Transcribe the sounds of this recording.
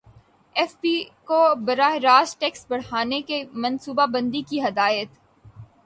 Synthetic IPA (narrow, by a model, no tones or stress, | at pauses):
ɛfpikobɐɾaːɦɾaːsʈɛːksbɐɽ̤ɦaːnekemɐnsuːbabɐ̃nd̪ikiɦɐd̪aːjət̪